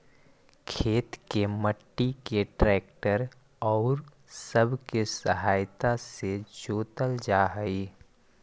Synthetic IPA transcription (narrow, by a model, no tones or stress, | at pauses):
kʰeːt̪keməʈːikeʈɾɛːkʈəɾ | ɔːɾ | səbʱkesəɦaːjt̪ased͡ʒoːt̪əld͡ʒaːɦəi